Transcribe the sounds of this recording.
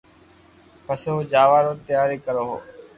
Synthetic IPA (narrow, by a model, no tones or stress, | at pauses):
pəsoːd͡ʒaːʋaːɾoːt̪ɪjaːɾeːkəɾoːɦo̰ː